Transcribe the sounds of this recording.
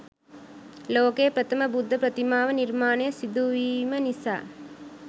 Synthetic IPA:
loːkeːɐpɾɐt̪ʰɐmɐbud̪ʱːɐpɾɐt̪imaːʋɐniɾmaːnɐjɐsid̪uʋiːmɐnisa̰ː

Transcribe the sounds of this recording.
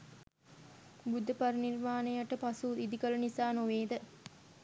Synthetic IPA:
bud̪ʱːɐpɐɾɐniɾmaːnɐjɐʈːɐpɐsuːid̪ikɐlɐnisaːnoʋeːd̪ə

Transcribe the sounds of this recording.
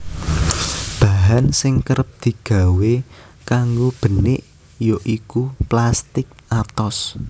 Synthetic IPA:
b̥a̤ɦansɪŋkəɾəp̚d̪̥i̤ɡ̥a̤we | kaŋɡob̥ə̤nɪʔ | joʔikuplast̪ɪk̚at̪ɔs

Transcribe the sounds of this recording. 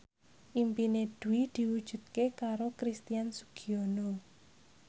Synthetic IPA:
ʔimpined̪̥ṳwid̪̥i̤wud̥ʒ̥ṳt̪̚kekaɾokɾist̪ijansu̥ɡ̥iono

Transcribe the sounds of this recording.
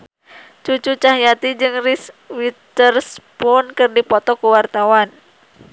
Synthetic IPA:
t͡ʃut͡ʃut͡ʃaɦjat̪id͡ʒɨŋriswit̪ərspʊnkɨrdipɔt̪ɔkuwart̪awan

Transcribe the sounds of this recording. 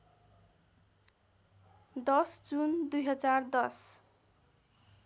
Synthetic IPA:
d̪ʌsd͡zund̪ujɦʌd͡zard̪ʌs

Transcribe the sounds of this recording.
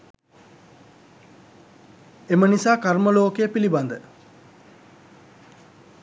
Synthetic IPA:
emənisaːkaɾməloːkejəpiliband̪ə

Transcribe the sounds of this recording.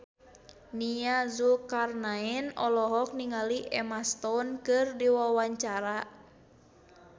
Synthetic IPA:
niazukarnaɛnɔ̰lɔɦɔk̚niŋaliʔɛmast̪ɔnkɨrdiwawaɲt͡ʃaɾa

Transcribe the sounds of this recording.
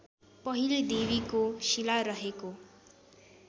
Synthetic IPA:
pʌɦiled̪eβikosilaɾʌɦeko

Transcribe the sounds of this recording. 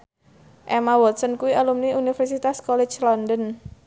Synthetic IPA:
ʔɛmawɔt̪̚sənkuwiʔalumniunifɛrsit̪askɔlɛ̥t͡ʃlɔndɔn

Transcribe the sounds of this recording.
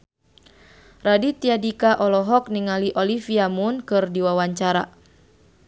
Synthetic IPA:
radit̪iadikaʔɔlɔɦɔk̚niŋaliʔɔlifiamunkɨrdiwawaɲt͡ʃaɾa

